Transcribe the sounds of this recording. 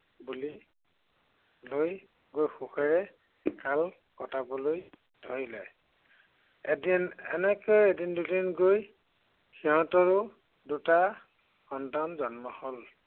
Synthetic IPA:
buli | loj | ɡojxuxɔɹɛ | kal | kɔtabɔloj | dʰʱoɹilɛj | ɛdinɛ̰nɛkojedindudinɡoj | xiɦɔ̃tɔɹʊ | duta | xɔndanzɔnmɔhɔl

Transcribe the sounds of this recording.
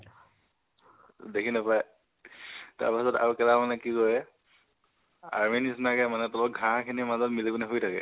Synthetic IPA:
dekʰinapaj | ta̰ɹpasɔta̰ɹukɛlamanɛkikɔjɛ | a̰ɹminisnakɛmanɛtɔlɔk̚ɡʱãkʰinimazɔtmilikunɛkʰoitʰakɛ̰

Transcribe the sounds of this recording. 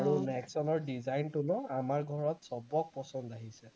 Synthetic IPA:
aɹunɛksɔnɔɹdizajntunɔamaɹɡʱɔɹɔtsɔbɔk̚pɔsɔndaɦisɛ

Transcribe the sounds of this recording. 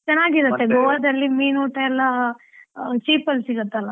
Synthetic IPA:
t͡ʃɐnːaːɡiɾut̪ːeɡoʋɐd̪ɐlːimiːnuːʈɐɛlːɐ | t͡ʃiːpɐlsiɡɐt̪ːɐlːɐ

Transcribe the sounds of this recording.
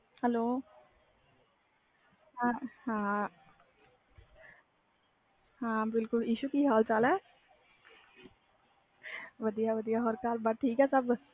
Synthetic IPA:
hɛloː | ɦahã | hãːbɪlkʊliːʃukiɦaːlt͡ʃalɛ | ʋɐd̪ijaʋɐd̪ijaɦoɾkaːlbaʈʰiːkɦɛsɐb

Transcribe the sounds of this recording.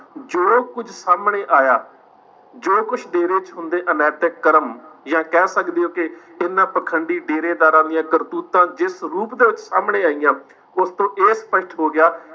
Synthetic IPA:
d͡ʒoːkʊd͡ʒʱsaːmɳeːʔaːjaː | d͡ʒoːkʊt͡ʃʰd̪eːɾeːt͡ʃɦʊ̃nd̪eːʔənɛːt̪eːkəɾəmjãːkɛːsəkd̪eːjoːkɪɪnːãːpɾəkʰəɳɖiːɖeːɾeːd̪aːɾãːd̪ijãːkəɾt̪uːt̪ãːd͡ʒɪsɾuːpd̪eːʋɪt͡ʃsaːmɳeːaːiːjãː | ʊst̪õːʔeːspəʃʈɦoːɡɪjaː

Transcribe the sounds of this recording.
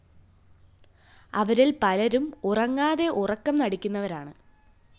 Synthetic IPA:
ɐʋɐɾilpɐlɐɾumurɐŋːaːðe̞ʔurɐkːɐmnɐɽikʲːun̪ːɐʋɐɾaːɳɨ

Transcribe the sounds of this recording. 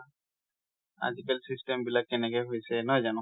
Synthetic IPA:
a̰zikɛlsistɛmbilakːɛnɛkɛjɦojsɛnɔjzanɔ

